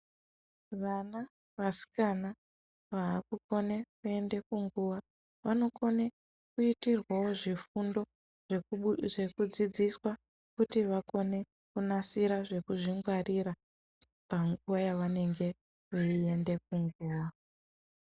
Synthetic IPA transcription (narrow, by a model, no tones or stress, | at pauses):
ʋana | ʋasi̥kana | ʋaːkuko̞nekue̞nde̞kuŋɡuʋa | ʋano̞ko̞ne | kuitirwawo̞ʐifundo̞ | ʐeʐe̞kud͡zid͡ziswa | kutiʋako̞ne̞ | kunasiɾaʐe̞kuʐiŋɡwariɾa | paŋɡuwajaʋane̞ŋɡe̞ | ʋeie̞nde̞k̚uŋɡuːwa